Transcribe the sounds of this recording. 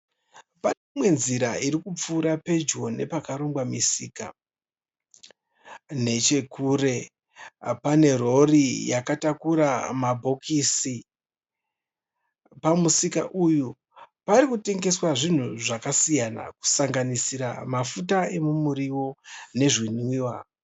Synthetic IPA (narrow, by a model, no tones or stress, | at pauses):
panemwe̞nziɾaiɾikup͡fuːɾape̞d͡ʒo̞ne̞pakaɾoŋɡwamisḭːka̰ | ne̞t͡ʃe̞kuɾe̞ | pane̞ro̞rijakatakuɾamabʱo̞kisi | pamusikaʔuju | paɾikute̞ŋɡe̞swaʐin̤uʐakasijana̰ku̥saŋɡanisiɾa̰mafutae̞mumuɾiwo̞ne̞ʐiniːwa